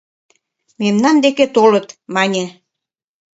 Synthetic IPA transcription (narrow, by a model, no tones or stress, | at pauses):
memnɑnd̪eket̪olət̪mɑnʲe